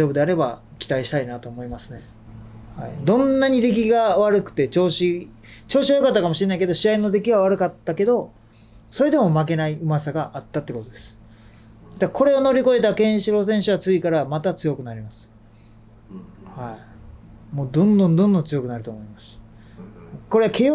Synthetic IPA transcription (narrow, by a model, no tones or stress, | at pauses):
oːbɯ̟d̪e̞aɾe̞ba | kʲi̥t̪aiɕi̥t̪ainat̪o̞ːmo̞imasɨne̞ | haid̪õ̞nːaɲ̟id̪e̞k̬ʲiɡaβaɾɯ̟kɯ̟̥t̪e̞t͡ɕo̞ːɕi | t͡ɕo̞ːɕ̬iβajokat̪ːakamoɕiɾe̞naike̞d̪o̞ɕiaino̞d̪e̞kʲiβaβ̞aɾɯ̟kat̪ːake̞d̪o̞ | so̞ɾe̞d̪e̞mo̞make̞naiɯ̟masaɡaʔat̪ːat̪ːeko̞t̪o̞d̪e̞sɨ̥ | d̪ako̞ɾe̞o̞no̞ɾʲiko̞e̞t̪akẽ̞ɰ̃ɕiɾo̞s̬ẽ̞ɰ̃ɕɨβat͡sɨikaɾamat̪at͡sɨjo̞kɯ̟naɾʲimasɨ̥ | hai | mo̞ːd̪õ̞nd̪õnd̪õnd̪õnt͡sɨjo̞kɯ̟naɾɯ̟t̪o̞ːmo̞imasɨ̥ | hko̞ɾe̞akʰe̞